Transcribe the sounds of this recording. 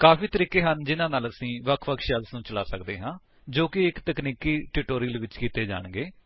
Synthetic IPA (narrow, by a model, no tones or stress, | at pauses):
kaːfiːt̪əɾiːkeːɦənd͡ʒɪnãːnaːləsĩːʋəkʰʋəkʰʃəlsnũːt͡ʃəla̰ːsəkd̪eːɦãː | d͡ʒoːkɪɪkt̪əkniːkiːʈɪːʈoːɾɪəlʋɪt͡ʃkiːt̪eːd͡ʒa̰ːɳɡeː